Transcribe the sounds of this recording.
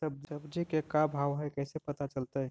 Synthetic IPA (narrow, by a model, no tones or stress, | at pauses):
səb̚d͡ʒəbd͡ʒikekabʱawɦɛkɛjsepət̪at͡ʃəlt̪ə